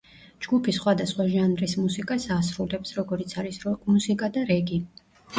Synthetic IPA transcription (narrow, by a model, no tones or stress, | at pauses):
d͡ʒɡupʰisχwad̪asχwaʒanɾismusikʼasasɾulɛpsɾɔɡɔɾit̪sʰaɾismusikʼad̪aɾɛɡi